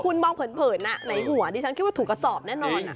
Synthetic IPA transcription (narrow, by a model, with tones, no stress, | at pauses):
kʰu˧nmɔː˧ŋpʰɤ˩˦npʰɤː˨˩t̪̚na˦˥ʔna˨˦jɦu˨˩˦ɐdiː˧t͡ɕʰa˥nkʰi˦˥waː˥˩t̪ʰːka˧˩sɔː˨˩p̚nɛː˥˩˨nɔː˧n˩